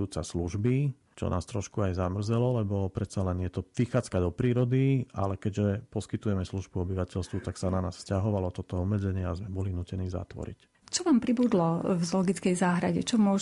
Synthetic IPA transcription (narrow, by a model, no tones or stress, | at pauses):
uːt͡sasluʒbi | t͡ʃɔ̰nʔa̰ːst̪ɾɔʃkuajzamr̩zɛlɔlɛbɔpɾɛt̪salɛnjɛt̪ɔʋixaːt͡skad̪ɔpɾiːɾɔd̪ia̰lɛkɛɟʒɛpɔskit̪ujɛmɛsluʒbuɔbiʋacɛlst̪ʋut̪aksananaːsfscaɦɔʋalɔt̪ɔt̪ɔɔmːɛd͡zɛɲɪɛazmɛbɔlinuːcɛniːza̰t̪ʋɔ̰ɾḭc | t͡ʃɔʋaːmpɾibud̪lɔvzlɔɡit͡skɛjzaːɦɾaɟɛ̰t͡ʃɔmʊɔ